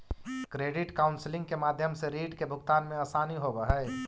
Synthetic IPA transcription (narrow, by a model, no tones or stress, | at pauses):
kɾeːɖɪʈkaːʊnslɪ̃ŋɡkemaːd̪ʱjəmseɾiːɖkebʱʊɡt̪aːnmẽaːsaːniɦobəɦɛ